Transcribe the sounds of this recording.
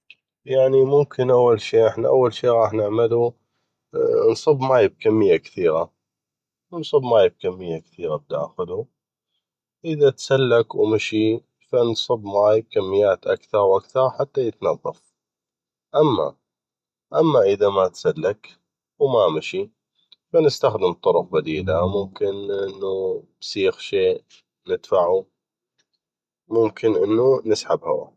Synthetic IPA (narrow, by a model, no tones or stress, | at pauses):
jaʕnimʊmkʰɪnʔawːalʃiːʔɪħnaʔa̰wːalʃiːɾˤɑːħnɪʕmɪlu | nsˤɨbmaːjɪb̚kamːɪjːakθiːɾa | nsˤɨbmaːjb̚kamːɪjːakθiːɾab̚d̪axʊðu | ʔəðat̪salːakwmɪʃi | fansˤɨbmaːjb̚kamːɪjːaːt̪ʔakθɑɾˤwʔakθɑɾˤħat̪ːajət̪nɑðˤːɑ̰f | ʔamːa̰ | ʔamːaʔəðamat̪salːak | wmamɪʃi | fanɪst̪axd̪ɪmt̪ˤːʊɾʊq̚bad̪iːlamʊmkɪnʔɪnːub̥siːxʃeːʔ | nɪd̪̥faʕu | mʊmkʰɪnʔənːunɪsħabha̰wa̰